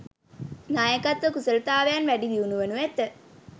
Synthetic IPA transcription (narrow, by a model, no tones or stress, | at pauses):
najəkat̪ʋəkusələt̪aːʋejanʋæɖiʋiunuʋenuʋet̪ə